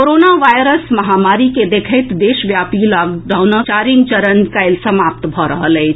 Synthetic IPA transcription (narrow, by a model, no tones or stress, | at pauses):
koɾonaʋajɾəsməɦamaɾiked̪ekʰət̪d̪eʃʋjapilaɡɖawnət͡ʃaɾĩŋɡt͡ʃəɾənkəɪlsəmap̚t̪bʱɔɾə̰ɦəlɛɪt͡ʃʰ